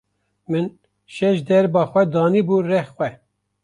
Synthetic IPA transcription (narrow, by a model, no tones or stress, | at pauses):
mɨn | ʃɛʃd̪ɛɾbɑːxʷɛd̪ɑːniburɛxxʷɛ